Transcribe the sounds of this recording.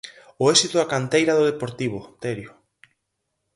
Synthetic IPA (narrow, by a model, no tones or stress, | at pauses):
ʊesit̪ʊakant̪ejɾaðʊðepoɾt̪iβ̞ʊt̪eɾjʊ